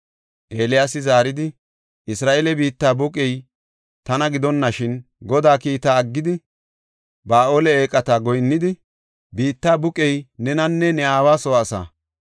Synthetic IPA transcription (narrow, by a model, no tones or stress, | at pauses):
ʔeːlɪjasɪzaːɾɪd̪ɪ | ʔɪsɾaːʔelɛbiːt̪ːaːbʊkʼɛj | t̪ɐnɐɡɪd̪ɔnːɐʃɪn | ɡɔd̪aːkiːt̪aːɐɡːɪd̪ɪ | baːʔoːlɛeːkʼːɐt̪aːɡɔjnːɪd̪ɪ | biːt̪ːaːbʊkʼɛjnɛnɐnːɛnɛaːwaːsɔːsa̰ː